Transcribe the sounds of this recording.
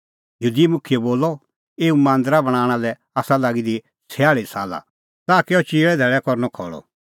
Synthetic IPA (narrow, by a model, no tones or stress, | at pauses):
juːd̪imʊkʰijɛboːlːɔ | eːumãːnd̪əɾabɐɽ̃ãːɽ̃alɛ | aːsalaɡid̪i | sʰɛaːɭisaːla̰ | t̪aːkeɔt͡ʃiːɭɛd̪ʱɛɭɛkɔɾnɔkʰɔ̰ɭɔ̰